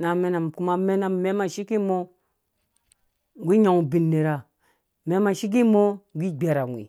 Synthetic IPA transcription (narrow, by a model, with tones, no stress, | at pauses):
na˨me˦na˨m˨ku˦ma˦me˦na˦mme˦ma˨ʃi˦ki˦mo˦˨ | ɡʷi˦ɲo˨ŋu˨bi˨nːe˨ɾa˨ | me˦ma˨ʃi˦k̬i˦mo˦ɡʷi˦ɡ͡be˨ɾa˨ŋʷ˨ḭ˨